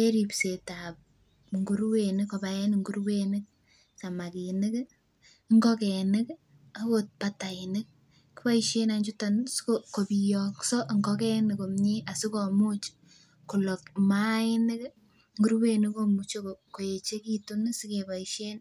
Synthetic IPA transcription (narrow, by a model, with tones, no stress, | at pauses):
e˦ɾi˨pse˨ta˨p̚ | ŋɡu˦ɾwe˨nɪkːo˨ba˨jɛ˦nŋɡu˦ɾwenɪk̚ | sa˨ma˨ki˨nɪ˦k | ŋɡɔ˦kɛ˨nɪ˦k | a˨kot̚pata˨ɪ˨nɪ˦k̚ː | i˦pa˦iʃe˦naɲd͡ʒu˦tanskoko˨pi˨jɔ˦ksɔ˦ʔŋɡɔkɛ˦nɪ˨ko˨mɲe˦ʔa˨sɪ˦kɔ˨mu˦t͡ʃ | ku˨lɔ˨k̚ma˦ɪ˦nɪ˦k | ŋɡu˦ɾwe˦nɪ˦ko˦mu˨t͡ʃo˦ko˨ko˨e˨t͡ʃe˦ki˦tu˦nsi˦ke˨ba˨iʃe˦n